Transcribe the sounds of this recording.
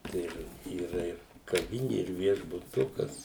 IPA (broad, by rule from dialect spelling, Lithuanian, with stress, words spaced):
ˈtɐɪ ɪr iːˈrɐ ɪr kɐˈʋʲɪnʲɪ ɪr ʋʲiɛʒbʊˈtʊkɐs